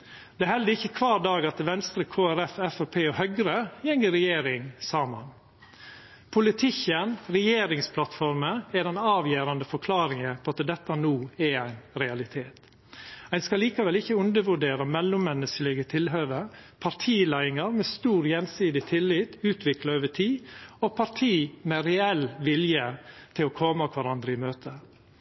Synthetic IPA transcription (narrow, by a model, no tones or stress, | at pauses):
d̪̥ɛæhɛld̪əɾɪçːəkʰʋɑːɾd̪ɑːɡɑt̪ʋɛnst̪ɾəkʰoːæɾɛfɛfæpʰeːɔhœɡɾəjɛŋəɾɛjeːɾɪŋsɑːmɑ̰n | pʰʊlɪt̪ʰɪçənɾɛjeːɾɪŋspʰlɑt̪fɔɾməɛd̪ɛnɑːʋjeːɾɑnd̪əfɔɾkʰlɑːɾɪŋəpʰɔɑt̪əd̪ɛt̪ːɑnuːɛæɪnɾɛɑlɪt̪ʰeːt̪ | æɪnskɑliːkɑʋɛlɪçəʉnd̪əʋʉɖeːɾəmɛlːʊmːɛnːəskəlɪɡət̪ʰɪlɦøːʋəɾpʰɑɾtʰiːlæɪɪŋəɾmɛːst̪uːɾjɛnsiːd̪ɪt̪ʰɪlːɪt̪ʉːt̪ʰʋɪklɑøːʋəʈʰiːɔpʰɑɾʈʰiːmɛɾɛɛlʋɪljət̪ʰɪlɔkʰɔməɑkʰʋɑɾɑnd̪ɾəɪmøːt̪ʰə